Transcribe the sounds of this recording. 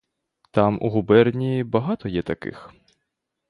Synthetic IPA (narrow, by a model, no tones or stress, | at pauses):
t̪ɑmʔṵɦubɛrnʲiːbɐɦɑt̪ɔjɛt̪ɐkɪ̰x